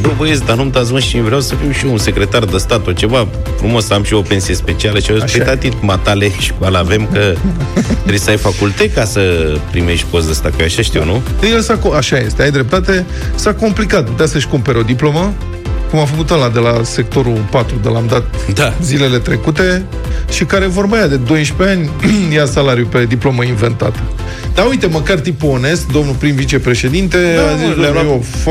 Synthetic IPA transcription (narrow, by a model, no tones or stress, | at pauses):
b̪obəjes̬ʲd̪anumt̪azməʃivɾeawsəfimʃiunse̞kɾe̞t̪ard̪əst̪at̪ot͡ʃe̞va | fɾumo̞samʃio̞pe̞nsije̞spe̞t͡ʃialəʃiait̪at̪it̪mat̪aleʃi̥kalave̞mkə | t̪ɾesəajfakult̪ekasəpɾime̞ʃt̪ʲkosd̪əst̪akojaʃaʃt̪iwnud̪əjelsakoaʃaje̞st̪eajd̪ɾe̞p̚t̪at̪e̞ | sako̞mplikat̪̚put̪easəʃʲkumpe̞ɾeo̞d̪iplo̞mə | kumafəkut̪alad̪e̞lase̞k̚t̪o̞ɾupat̪ɾud̪əlamd̪at̪ | d̪azile̞le̞t̪ɾe̞kut̪e̞ | ʃikaɾe̞vo̞rməjad̪e̞d̪o̞jʃpeanʲjasalaɾijupe̞d̪iplo̞məinve̞nt̪a̰t̪ə̥ | d̪aujt̪e̞məkart̪ipuo̞ne̞sk̚d̪o̞mnupɾinvit͡ʃe̞pɾe̞ʃe̞d̪int̪e̞azislof